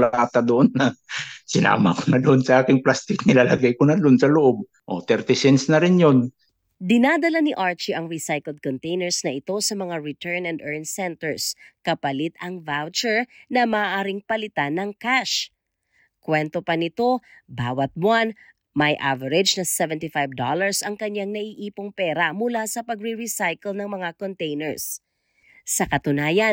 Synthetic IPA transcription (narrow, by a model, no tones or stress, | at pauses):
laaːt̪ɐd̪oʔonːɐsɪna̰ːma̰konɐd̪oʔonsɐʔaːkɪŋplast̪ɪk̚nɪlalɐɡajkonɐd̪oonsɐloʔob̚ | ʔot̪ɛɾt̪ɪsɛnsnɐɾɪnjon | d̪ɪnad̪ɐlanɪʔaɹt͡ʃiʔɐŋɹisajkɛld̪̚kont̪ejnɛɹsnɐʔɪt̪o̞sɐmɐŋaɹɪt̪ɛɹnɛnd̪ʔɛɹnsɛnt̪ɛɹskɐpɐlɪt̪̚ɐŋvawt͡ʃɛɹnɐmaːʔaːɾɪŋpɐlɪt̪anɐŋkaʃ | kwɛnt̪o̞pɐnɪt̪o̞ | baːwɐt̪̚mwan | mɐjʔa̰vɐɾɛd͡ʒnɐsɛvɛnt̪ɪfajvd̪olɐɹsɐŋkɐɲjaŋnɐʔiʔiːpoŋpɛːɾɐmʊlasɐpɐɡ̚ɾiɹisajkɛlnɐŋmɐŋakont̪ɛjnɛɹsː | ɐkɐt̪ʊnaːjɐ